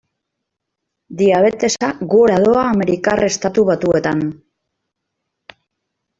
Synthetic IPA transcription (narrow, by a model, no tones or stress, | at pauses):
d̪iaβ̞e̞t̪e̞saɣoɾaðo̞aːme̞ɾikare̞st̪at̪uβ̞at̪ue̞t̪an